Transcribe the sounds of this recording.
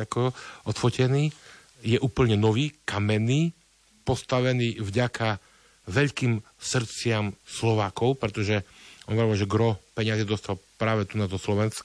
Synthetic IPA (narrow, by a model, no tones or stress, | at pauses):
akɔɔt̪fɔcɛniː | jɛʔuːpl̩ɲɛnɔʋiːkamɛniː | pɔst̪aʋɛniːvɟakʰa | ʋɛʎkiːmsr̩t͡sɪamslɔʋaːkɔʊpɾɛt̪ɔʒɛʔɔnʋaʋalʒɛɡɾɔpɛɲazɛd̪ɔst̪alpɾaːʋɛt̪unazd̪ɔslɔʋɛnsk